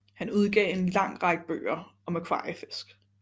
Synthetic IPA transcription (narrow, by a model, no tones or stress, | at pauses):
hænuð̞ˠɡ̥ɛ̰ːe̝nlɑ̈ŋ̰ʁɑ̈ɡ̥əb̥ø̰ːɐɒ̽mækʰwɑ̈ːifesɡ̥